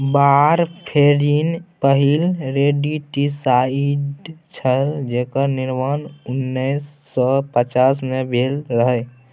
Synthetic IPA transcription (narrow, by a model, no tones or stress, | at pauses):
baɾpʰeɾinpəɦilɾeɖiʈisaiɖt͡ʃʰəld͡ʒekəniɾmanunnːəjsːɔpət͡ʃasmebʱelɾəɦə